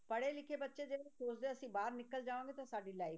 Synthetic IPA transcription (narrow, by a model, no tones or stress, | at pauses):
pəɽeːlɪkʰeːbətːʃeːd͡ʒeːsoːsd̪eːəsĩːbaːɾnɪkːəld͡ʒaːʋãːŋɡeːt̪ãːsaːɖiːlaːiː